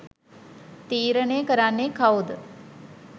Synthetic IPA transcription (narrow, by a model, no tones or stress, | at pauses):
t̪iːɾənejəkəɾanːekʰawud̪ə